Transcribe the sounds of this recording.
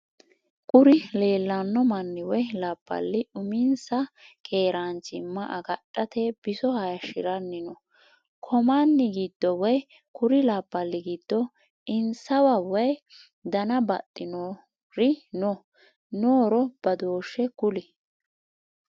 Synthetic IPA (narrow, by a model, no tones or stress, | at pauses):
kʼʊɾɪle̞ːlːɐnːɔmɐnːɪwɔjlaːpʼːɐ̰lːɪʊmɪnsɐkʰe̞ːɾaːnt͡ʃɪmːɐʔɐɡɐɗʼːɐt̪ɛb̥ɪsɔhɐjɐʃɪ̰ɾɐnːɪnɔ | kʰɔmanːɪɡiːd̪ːɔwɔj | kʊɾɪlaːpːɐlːɪɡiːd̪̥ːɔ | ʔɪnsɐwɐwɔj | d̪ɐnɐbɐ̰t̪ʼːɪno | ɾɪnɔ | noːɾɔb̥ɐd̪o̞ːʃːɛkʊlɪ